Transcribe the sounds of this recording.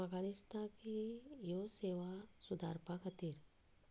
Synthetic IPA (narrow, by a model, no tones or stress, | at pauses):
ɡaːnɪst̪ãkijoseːʋasʊd̪ʱaːɾpakʰɐt̪iːɾ